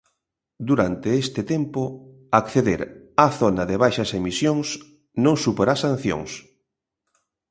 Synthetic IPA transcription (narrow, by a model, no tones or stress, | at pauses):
d̪uɾant̪eest̪ɪt̪empʊ | akθeðeɾaθonɐðeβajʃɐsemisjoŋs | nõŋsupoɾasan̟θjo̰ŋs